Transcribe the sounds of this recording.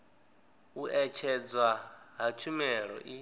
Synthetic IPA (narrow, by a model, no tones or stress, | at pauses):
uʔɛt͡ʃʰɛd͡zwaɦat͡ʃʰumɛɺɔ̰ʔi